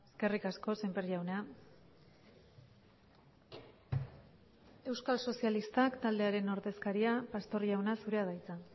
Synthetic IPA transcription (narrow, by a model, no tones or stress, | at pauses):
eske̞rikasko̞sempeɾiawna | e̞wskalso̞sijalist̪akt̪ald̪e̞aɾe̞no̞ɾðe̞skaɾiapast̪o̞rijawnasuɾe̞að̞ajt͡sa